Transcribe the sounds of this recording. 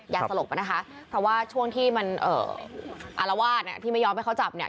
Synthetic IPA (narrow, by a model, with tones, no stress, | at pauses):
jaː˨˩ksa˧lo˨˩k̚pa˧˦jna˦˥kʰa˦˥ | pʰɾɔ˧˩waː˥˩t͡ɕʰu˥˩əŋt̪ʰiː˥˩ma˧nʔɤ̰ː˨˩ʔa̰˧la˧waː˥˩t̪̚ni˨˩t̪ʰiː˥˩ma˥˩jɔː˧mha˥˩kʰa˦˥t͡ɕa˨˩p̚ni˨˩ə